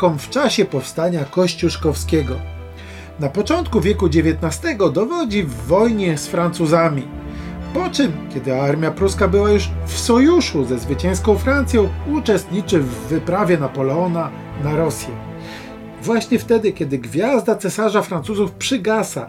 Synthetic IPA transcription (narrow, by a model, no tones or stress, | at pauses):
kɔmft͡ʂaɕɛpɔfst̪aɲakɔɕt͡ɕuʂkɔfskʲɛɡɔ | napɔt͡ʂɔnt̪̚kuvʲjɛkud͡ʑevʲjɛt̪nast̪ɛɡɔd̪ɔvɔd͡ʑivːɔjɲɛsfɾant̪suzamʲi | pɔt͡ʂɘmkʲjɛd̪ɘaɾmʲjapɾuskabɘwajuʂfsɔjuʂuzɛzvɘt͡ɕɛ̃w̃skɔ̃w̃fɾant̪sʲjɔ̃w̃ut͡ʂɛst̪ɲit͡ʂɘvːɘpɾavʲjɛnapɔlɛɔna | naɾɔsʲjɛ | vwaɕɲɛft̪ɛd̪ɘkʲɛd̪ɘɡvʲjazd̪at̪sɛsaʐafɾant̪suzufpʂɘɡasa̰